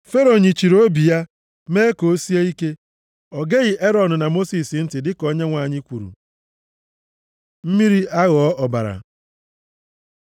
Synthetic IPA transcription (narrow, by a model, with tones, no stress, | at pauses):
fe˦ɾo˨ɲi˨t͡ʃi˨ɾo˦bi˨ja˦ | me˦ko˨˦si˦e˦i˦ke˦ | ɔ˨ɡe˦ɣɪ˨ʔe˦ɾɔ˨dʊ˨na˨mo˦si˨sɪ˨˦n̩˦tɪ˨dɪ˦kɔ˦ɲe˦ŋʷa˨ɲɪ˦kʷu˨ɾṵ˨ | m̩˦mi˦ɾi˦a˦ɣɔ˨˦ʔɔ˨ba̰˨ɾa̰˨